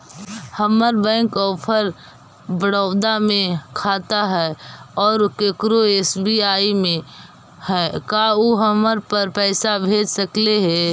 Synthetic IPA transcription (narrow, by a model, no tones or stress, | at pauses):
həməɾbɛ̃ːŋkɔːpʰəɾ | bəɽəʊd̪amẽkʰaːt̪aɦɛɔːɾkekɾoeːsbiaːimẽ | hɛkaoɦəməɾpəɾpɛːsabʱeːd͡ʒsəkleɦɛ